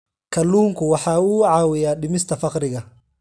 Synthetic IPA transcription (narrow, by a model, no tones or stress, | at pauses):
kʰɐluːŋkʰʊwɑħɑːuːʕɑːwɪjaːɖɪmɪst̪ʰɐfɑqɾɪɣɐ